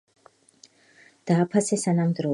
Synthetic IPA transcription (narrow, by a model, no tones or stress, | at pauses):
d̪̥aːpʰasɛsanamd̪ɾɔ